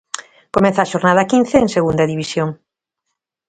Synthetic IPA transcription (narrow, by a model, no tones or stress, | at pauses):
komɛ̃θaːʃoɾnaðɐkin̟θeːŋseɣund̪ɐðiβisjoŋ